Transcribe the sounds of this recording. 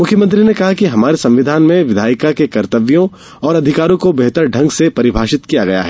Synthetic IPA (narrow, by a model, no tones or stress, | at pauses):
mʊkʰːjəmɐ̃nt̪ɾinekɐɦakiɦɐmaːɾesɐ̃mʋɪd̪ʱaːnmẽʋɪd̪ʱaːɪkakekɐɾt̪əʋjõ | ɔːɾɐd̪ʱɪkaːɾõkobeɦt̪əɾɖʱɐ̃ŋɡsepɐɾɪbʱaːʃɪt̪kijaɡɐja̰ɦɛː